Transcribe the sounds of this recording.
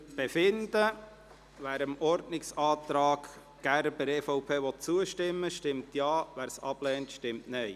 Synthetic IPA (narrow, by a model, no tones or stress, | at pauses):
b̥efɪnd̥ə | ʋæːɾəmɔɾdnɪksɑːt̪ɾɑːɡ̥ | ɡ̥æɾbəɾɛːfɔʊpʰeːʋɔt̚t͡suəʃtɪmːəʃtɪmt̪jɑːʋæːɾsɑb̥lɛːntʃtɪmtnɛj